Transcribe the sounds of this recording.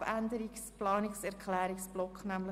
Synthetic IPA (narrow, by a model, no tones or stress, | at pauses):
ændəɾiksplɑːniksɛɾkʰlæːɾiksb̥lɔkχnæmlə